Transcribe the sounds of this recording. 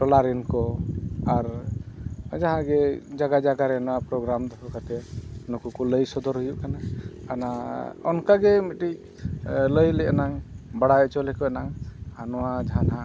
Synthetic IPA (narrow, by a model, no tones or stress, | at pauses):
ʈɔlaɾɛnkɔaɾ | d͡ʒaɦãɡɛd͡ʒaɡad͡ʒaɡaɾɛnɔwapɾɔɡɾamd̪ɔkʰɔkat̪ɛnukukɔləjsɔd̪ɔɾɦujuʔkanaanaɔnkaɡɛmiʈic̚ | ləjlɛɛnaŋbaɽajɔt͡ʃɔlɛkɔɛnaŋanɔwad͡ʒaɦãnã